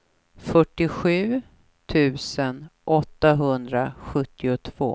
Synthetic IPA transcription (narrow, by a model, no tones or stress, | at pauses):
fœʈːɪɧʉ̟ː | t̪ʰʉ̟ːsənʔɔt̪ːaɦɵnd̪ɾaɧɵt̪ːɪʊt̪ʰv̥o̰ː